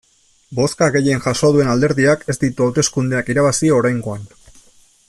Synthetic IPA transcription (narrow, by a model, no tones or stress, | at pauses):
bo̞skaɣe̞je̞nʝasoðue̞nald̪e̞ɾðiake̞zd̪it̪uawt̪e̞skund̪eakiɾaβasioɾajŋɡo̞an